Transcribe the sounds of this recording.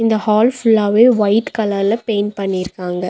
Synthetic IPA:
ɪnd̪ɐhaːlfʊlaːʋeːʋɐɪʈkɐlɐlɐpeːnpɐɳːɪɾɯkːaːŋɡɐ

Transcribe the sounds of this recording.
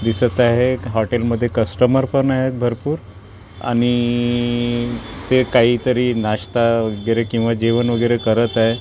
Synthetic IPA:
d̪isət̪aɦeɦɔʈelməd̪ʱːjekəsʈəməɾpəɾɳaɦjet̪bʱəɾpuːɾ | a̰ɽ̃i | t̪ekaɦiːt̪əɾiːnaɕt̪aʋəɡəɾekĩw̃ʋad͡ʑiʋənʋəɡəjɾekəɾət̪aɦe

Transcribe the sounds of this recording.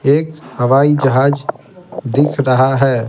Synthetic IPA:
ekhəʋaid͡ʒəɦad͡ʒ | d̪ikʰɾəɦaɦɛ

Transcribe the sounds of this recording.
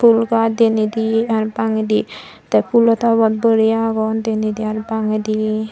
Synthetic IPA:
pʰulɡad̪enid̪iaɾpaŋed̪i | t̪apʰulɔt̪abɔt̪̚bəɾijaɡɔnd̪enid̪iaɾpaŋed̪i

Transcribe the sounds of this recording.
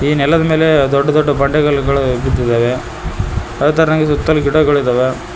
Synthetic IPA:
iːnɛlːɐðɯmeːled̪ɔɖːɐd̪ɔɖːɐpɐɳɖɐɣɐɭkːɐɭɐɛbɪt̪̬ːɯðɐʋe | ɐɯt̪ːɐɾɐŋɡɐsʊt̪ːɐlkɪɽɐkːɐɭɯðɐʋe

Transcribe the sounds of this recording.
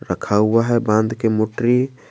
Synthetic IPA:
ɾəkʰaʊaɦɛbãnd̪kemoʈɾi

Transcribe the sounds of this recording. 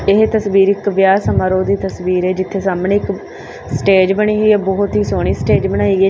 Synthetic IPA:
ɪɦt̪əsʋiːɾɪkʋjaːsəmaːɾoːd̪iːt̪əsʋiːɾɛːd͡ʒɪt̪ʰːeːsaːmnẽːɪk | sʈeːd͡ʒbəɽ̃iːɡiːɛːbɔːt̪ɦiːsoːɽ̃iːsʈeːd͡ʒbəñaːiːɡɛː

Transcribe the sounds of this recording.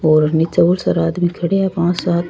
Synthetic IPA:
oːɾnit͡sɐʋuɾsɐɾaːd̪mikʰɐɽeɐpãːsaːt̪

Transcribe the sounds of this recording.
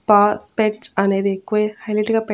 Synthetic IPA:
paːspeʈt͡ʃɐne̞ːd̪iekːuʋɐhɐjleʈiɡaːpɐ

